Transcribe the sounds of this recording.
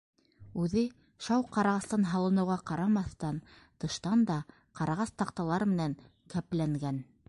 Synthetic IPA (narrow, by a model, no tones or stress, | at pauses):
ʉðɘ | ʃɑwqɑɾɑʁɑst̪ɑnɦɑlˠɤ̆nɤ̆wʁɑqɑɾɑmɑθt̪ɑn | t̪ɤ̆ʃt̪ɑnd̪ɑ | qɑɾɑʁɑst̪ɑqt̪ɑlˠɑɾmɘ̆næŋ | kæplæŋɡæn